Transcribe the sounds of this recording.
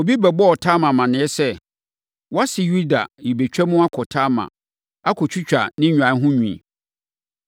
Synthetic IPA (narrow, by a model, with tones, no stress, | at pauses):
o˨bi˦bɛ˨bɔ˦ɔ˨tʰa˦mã˨mã˨nɪ̃˨˦ɛ˦sɛ˦ | wɔ˦a˦sɪ˨ju˦da̰˨ji˨be˨t͡ɕᶣɛ˦mʊ̃˦a˦kʰɔ˨tʰa˦mã̰˨ | a˦kʰɔ˨t͡ɕʰᶣu˦t͡ɕᶣa̰˨nɪ̃˦ɲᶣ˨ã˨˦ɦʊ̃˦ɲṵ̃˨